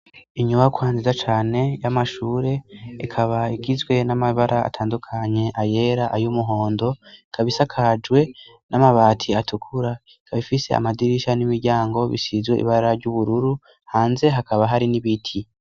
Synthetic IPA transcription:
iɲuβakwaːnzizat͡ʃaːne̞jamaʃuːɾe̞ikʰaβaiɡizɡwe̞namaβaɾʔaa̰tʰaːndukʰaɲe̞ʔaje̞ɾaʔajumuɦo̞ːndo̞ikʰaβisakʰad͡ʒɡwe̞ | namaβaːtʰiatukʰuɾa | ikʰaβifise̞̰a̰madiɾiʃanimiɾɟaːŋɡo̞βḭsizwḛʔḭβaɾaɾɟuβuɾuɾu | haːnze̞ɦakaβaɦaɾiniβitʰi

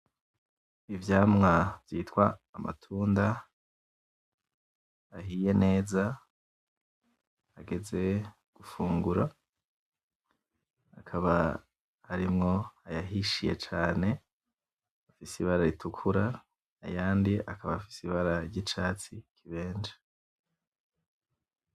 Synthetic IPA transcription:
ivjaːmŋavjiːtwaːma̰tʰuːnda | ɦije̞ne̞ːza | aɡe̞ze̞ | ɡ̥ufuːŋɡuɾa | akʰaβa̰ | haɾimŋo̞ajaɦiʃije̞̰t͡ʃaːne̞ | afisiβaɾaɾitʰukʰuɾa | a̰jaːndiʔa̰kaβafi̥siβaɾaɾɟit͡ʃaːt͡sikʰiβe̞ːnd͡ʒḁ

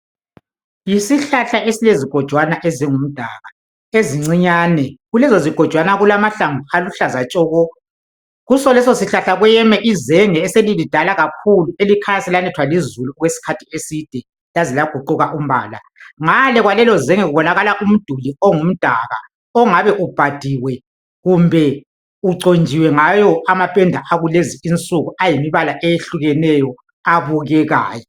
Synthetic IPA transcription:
isiɬaɬaʔesileziɡ̥ʱɔd̥ʒ̥ʱwanaʔeziŋum̩d̥ʱaɣa | eziŋ͡ǀiɲaːnɛɣulɛzɔziɡ̥ʱɔd̥ʒ̥ʱwanaɣulamaɬaŋualuɬazat͡ʃʼɔːɣɔ | ɣusɔlɛsɔsiɬaɬaɣujɛmɛʔizɛŋɛːselilid̥ʱalaɣakʰuluelikʰalasɛlanɛtʰwalizuluɣwesi̥kʰatʰiesid̥ʱɛ | lazilaɡ̥ʱuǃuɣaʔum̩βa̰ːla̰ | ŋalɛɣwalɛlɔzɛŋɛɣuβɔnaɣalaʔum̩d̥ʱuliɔŋum̩d̥ʱaɣa̰ | ɔŋaβɛʔub̥ʱad̥ʱiwɛ | ɣumbʱɛ | uǀond͡ʒʱiwɛŋajɔamapʼɛndʱaʔaɣuleziint͡sʼuɣuajimiβalaʔejeɬuɣɛnɛjɔ | aβuɣɛɣa̰ːjɔ

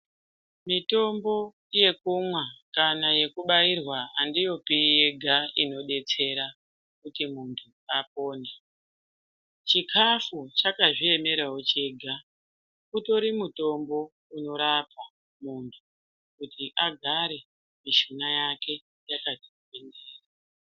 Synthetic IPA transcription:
mito̞mbo̞ | ije̞kumwakanaje̞kuɓajirwaandijo̞pije̞ɡʱaino̞ɗe̞t͡se̞ɾa | kutimuntʰu | ap̚o̞ːne | t͡ʃikʰafut͡ʃakaʐie̞me̞ɾaɦot͡ʃeɡʱa | uto̞ɾimuto̞mbo̞ | uno̞ɾapa | muntʰu | kutiʔaɡʱaɾe̞ | miʃunajake̞ | jakatikupendeːra

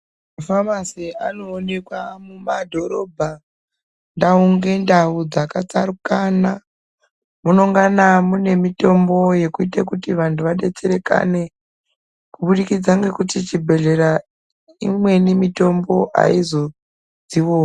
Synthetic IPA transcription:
mmafamasiano̞ːne̞kwamumadʱo̞ɾo̞bʱa | ndauŋɡe̞ndaud͡zakat͡saɾukana | muno̞ŋɡanamune̞mito̞mbo̞je̞kuitakutiʋantʰuʋaɗe̞t͡se̞ɾe̞ka̰ne̞ | kuɓuɗikid͡zaŋɡe̞kutit͡ʃibʱe̞ɮe̞ɾa | ḭmwe̞nimito̞mbo̞ʔa̰izo̞ | d͡ziʋoː

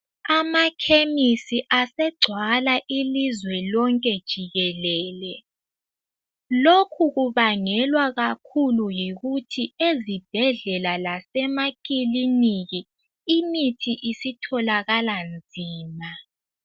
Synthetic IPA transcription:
amakʰemisiʔasɛɡ͡ǀʱwalaʔilizwɛlɔŋkʼɛd̥ʒ̥ʱiɣɛlɛːlɛ | lokʰuɣuβaŋɛlwaɣakʰulujiɣutʰiezib̥ʱɛɮɛlalasɛmakʼiliniɣi | imitʰiʔisitʰɔlaɣaland͡zʱiːma

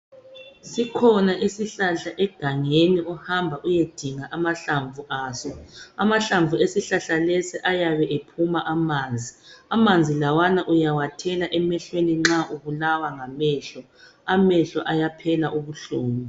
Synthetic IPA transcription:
sikʰɔnaʔisiɬaɬaʔɛɡ̥ʱaŋeniɔhambʱaʔujed̥ʱiŋaʔamaɬaɱvuʔaːsɔamaɬaɱvʱuesiɬaɬalɛsiʔajaβɛʔepʰumaʔamaːnd͡zʱiamand͡zʱilawanaʔujawatʰɛlaʔɛmɛɬweniŋ͡ǁaʔuβulawaŋamɛɬɔ | amɛɬɔʔajapʰɛlaʔuβuɬoːni

